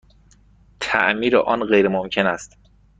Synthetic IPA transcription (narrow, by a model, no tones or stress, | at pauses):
t̪ʰæ̰ʔmiːɾḛʔɒːnɢejɾemomcʰe̞næst̪